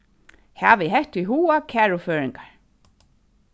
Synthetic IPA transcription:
haːvɪɦɛht̪iɦuːakʰɛːɹʊfœːɹɪŋkaɹ

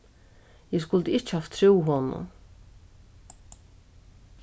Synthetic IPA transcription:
jɛskʊlt̪ɪɪht͡ʃhaft̪ʰːɾuwɦɔnʊ̰

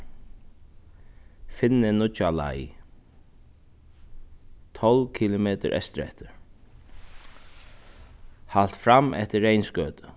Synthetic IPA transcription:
fɪnːɪnʊt͡ʃala̰j | t̪ʰɔlvkʰilʊmeːt̪əɾʔɛ̰st̪ɾɛ̰ht̪əɾ | hal̥t̪fɾamʔɛ̰ht̪əːejnskœːt̪ə

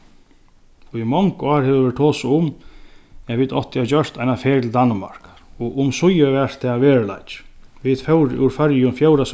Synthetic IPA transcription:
imɔŋkɑːɾhɛvʋɛʈt̪ʰoːsʊm | avit̪ɔ̰ht̪jat͡ɕœr̥t̪ajnafeːɾt̪ʰɪld̪anma̰ɹ̥kḁɾɔʊmsʊjəvɛr̥t̪ʰːɛːʋeːɹɪla̰jt͡ʃʋit̪fœwɾṵɾfœɾjʊnfjowɾas

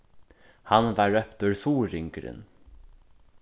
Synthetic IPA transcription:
hanvɑːɹœpt̪ʉɹsuːɾɪŋkəɾɪ̰n

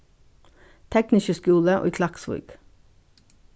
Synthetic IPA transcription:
t̪ʰɛknɪʃəskʉːləʔo̰kʰlɑksʋṵːɡ̥

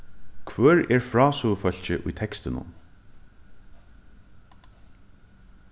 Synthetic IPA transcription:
kʰvœːɹɛɹfɹɑːsufœl̥t͡ɕɪʔʊ̰jt̪ʰɛkst̪ɪnʊ̰n

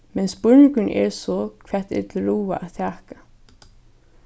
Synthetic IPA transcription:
mɛnsbʊɹnɪkʏnʔɛ̰ɹsɔkʰʋɛ̥t̪ɪ̰t̪lɾuːa̰ʔaðt̪ʰæːkḁ

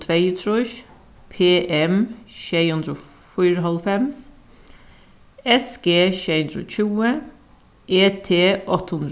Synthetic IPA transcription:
t̪ʰʋeɪt̪ʰɾʊç | pʰeːʔɛmʃeɪhʉnd̪ɾəoː | fʏɾəɦɑlfɛms | ɛsɡ̥eːʃeɪhʉnd̪ɾo̰ːc͡çuːə | ʔeːt̪ʰeːʔɔt̪əhʉnd̪

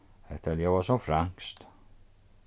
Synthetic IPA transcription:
ɛt̪ɛljavasɔmfɾaŋst̪

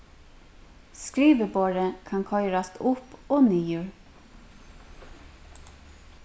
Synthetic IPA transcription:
skɾiːʋəboːɹəkʰɑŋkʰɔʏɾɑst̪ʰʊpoːnyːjøɹ

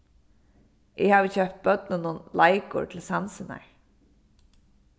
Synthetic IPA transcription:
ʔɪhaːvɪçœpt̪̚bœt̪̚nɪnʊnlajkʊ̰ɹt̪ʰɪlsansɪna̰ɹ

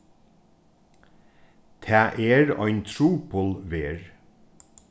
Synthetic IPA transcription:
t̪ʰæːʔeːɹœ̰ʏnt̪ʰɹuːpʰʊlʋeːɹ

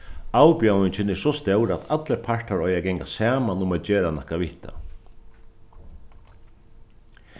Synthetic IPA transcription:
awpjawnɪɲt͡ʃɪnɛɾsɔst̪ɛwɾat̪ʰat̪ləɾpʰaɹʈ̪aɾɔjaɡɛŋkasaːmanʊmat̪̚d͡ʒeːɾanɔhkaʋɪht̪a̰

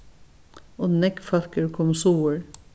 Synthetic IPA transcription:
oːnɛkfɑɾkəɹkʰɔmsuːəɹ

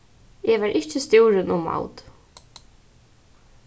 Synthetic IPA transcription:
ɛʋaɹʔɪht͡ʃɪst̪juwɾɪnʊmːa̰wt̪

